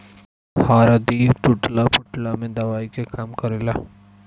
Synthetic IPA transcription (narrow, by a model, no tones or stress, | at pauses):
haɾad̪iʈuʈlapuʈlamed̪awajkekamkʌɾela